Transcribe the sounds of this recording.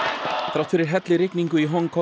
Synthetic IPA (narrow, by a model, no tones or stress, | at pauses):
θɾawht̪fɪɾɪɾɦɛt̪lɪɾɪkniŋkʏiɦɔŋkʰɔ